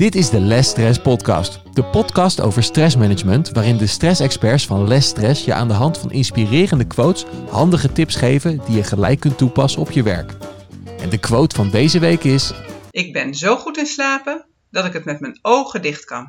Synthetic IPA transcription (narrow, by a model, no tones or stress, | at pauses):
d̥ɪtɪzdəlɛstrɛspɔtkɑ̰st | d̥əpɔtkɑsto̰wvəɹstrɛsmɛnəd͡ʒməntʋaːrɪndəstrɛsɛkspɛɹsfɑnlɛstrɛsjəʔa̰ːndəɦɑntfɑnʔɪnspirɪːrəndəkʋowtshɑndəχətɪpsχejvədijəχəlɛ̰jkːɵntupɑsəɔpjəʋɛ̰ɹk | ʔɛ̰ndəkʋowtfɑndejzəʋejkɪsʔɪɡ̚bɛnzowχutɪnslaːpən | dɑtɪkɦətmɛtmɛnowχədɪχtkɑ̰n